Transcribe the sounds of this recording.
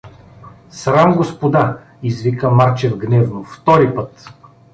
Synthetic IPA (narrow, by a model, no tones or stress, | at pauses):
sɾamɡospod̪a | izvikəmaɾt͡ʃɛvɡnɛvnoft̪ɔɾipət̪